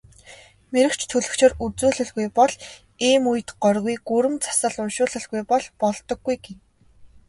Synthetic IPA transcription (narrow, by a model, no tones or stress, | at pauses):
meɾɘ̆kt͡ɕʰt̪ʰɵɮɵ̆kt͡ɕʰeːrut͡suːɮɘ̆ɮɣujpɔɮ | iːmuj̆t̪ɢɔrɣujɡuɾɘ̆mt͡sʰḁsə̆ɮʊnʃʊːɮɘ̆ɮɣujpɔɮpɔɮt̪ɞ̆ɡːujɡen